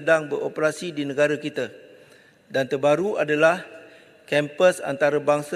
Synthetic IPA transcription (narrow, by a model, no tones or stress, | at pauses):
daŋbəɾopəɾasidinə̃ɡaɾakit̪a | dant̪əbaɾuadalah | kɛmpəsa̰nt̪aɾabaŋs